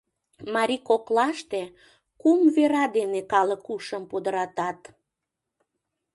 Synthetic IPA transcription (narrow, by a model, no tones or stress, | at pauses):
mɑɾʲikoklɑʃt̪e | kumveɾɑd̪enekɑləkuʃəmpud̪əɾɑt̪ɑt̪